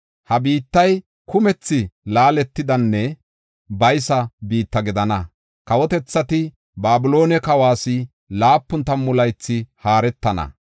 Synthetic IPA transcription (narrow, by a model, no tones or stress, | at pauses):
hɐbiːt̪ːɐj | kʊmɛt͡sːɪlaːlɛt̪ːɪd̪ɐnːɛ | bɐjsɐbiːt̪ːɐɡɪd̪ɐnɐ | kɐwɔt̪ɛt͡sːɐt̪ɪ | baːbɪlo̞ːnɛkɐwaːsɪ | laːpːʊnt̪ɐmːʊlɐjt͡sːɪhaːɾɛt̪ːɐnɐ̰